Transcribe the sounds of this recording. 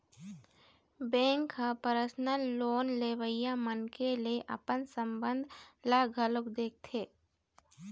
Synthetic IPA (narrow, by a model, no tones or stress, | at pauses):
bɛ̃ːŋkːapəɾəsnəlːoːnleːʋəɪjamənkeleʔɐ̰pənsə̃mbə̃nd̪ʱlaːɡʱəlʊkd̪eːk̚t̪ʰeː